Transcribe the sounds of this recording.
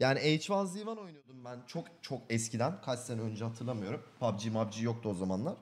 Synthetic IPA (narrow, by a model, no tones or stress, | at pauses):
jaːniɛjt͡ʃvazˠivano̞jnujo̞d̪umbænt͡ʃʰo̞kt͡ʃʰo̞kɛscid̪ænkʰatʲsɛnønd͡ʒɛhat̪ʰɯɾlˠamɯjo̞ɾumpʰabd͡ʒiːmabd͡ʒiːjo̞k̚t̪ʰuo̞zamanlˠaɾ̥